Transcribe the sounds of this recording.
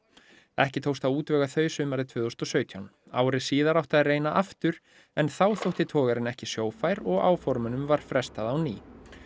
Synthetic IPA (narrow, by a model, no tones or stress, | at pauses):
ɛhcɪt̪ʰowst̪awuːt̪vœːɣaθœːɥsʏmaɾðɪt̪ʰvʏːθowst̪ɔsœːɥt̪ʰjawn | a̰ːwɾɪsiːðaɾawht̪aðɪreːjnaʔaft̪ʏɾ̥ | ɛnθawθowht̪ɪt̪ʰɔːɣaɾɪnɛhcɪsjoːwfajɾɔɣa̰ːwfɔɾmʏnʏmvaɾ̥fɾɛst̪aðawnḭː